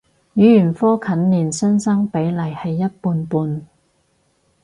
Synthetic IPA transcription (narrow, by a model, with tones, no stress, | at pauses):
jyː˨˥jyː˨˩nfɔː˥kʰɐ˨˥nliː˨˩nsœ˥nsɐ˥ŋpe˨˥jlɐ˨˩jhɐ˨jːɐ˥t̚puː˧npuː˧n